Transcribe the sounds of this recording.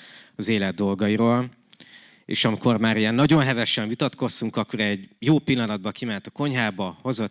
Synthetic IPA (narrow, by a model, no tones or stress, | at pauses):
ɒzeːlɛd̪ːo̞lɡɒjiɾoːl | ḛːʃɒmiko̞rmaːɾijɛnːɒɟo̞nɦɛvɛʃɛɱvit̪ɒt̪ko̞st̪uŋkɒkːoɾɛɟjoːpilːɒnɒd̪̚bɒkimɛnt̪ɒko̞ɲɦaːbɒho̞zo